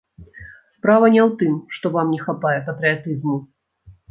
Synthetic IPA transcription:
spɾavɐnʲɛwt̪ɨmʂt̪ɔvamnʲɛxapajɛpɐt̪ɾɨat̪ɨzmu

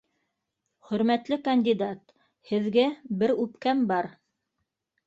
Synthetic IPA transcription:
χɵ̆ɾmæt̪lɘkɐnʲd̪ʲid̪at̪ | hɘ̆ðɡæbɘɾʉpkæmbɑɾ

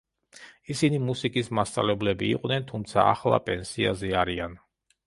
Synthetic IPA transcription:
isinimusikʼismast̪sʼa̰lɛblɛbḭːqʼnɛnt̪ʰumt̪sʰa̰a̰χlˠa̰pʼɛnsia̰zɛaɾian

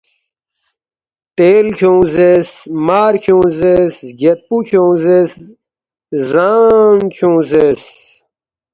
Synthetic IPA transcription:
t̪eːlkʰõːzesmaːɾkʰũːzesɡet̪̚pukʰõːzes | zaŋkʰũːzes

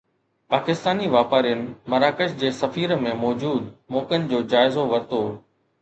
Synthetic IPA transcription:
paːkɪst̪aːniʋaːpaːɾijənɪ̆mɐɾaːkəʃd͡ʑeːsɐfiːɾmẽmɔːd͡ʑuːd̪mɔːkənɪ̆d͡ʑoːd͡ʑaːɪzoʋɐɾt̪oː

